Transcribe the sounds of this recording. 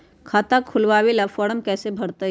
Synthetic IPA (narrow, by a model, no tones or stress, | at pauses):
kʰaːt̪akʰʊlʋaːwelafɔːɽəmkɛːsebʱɐɽt̪a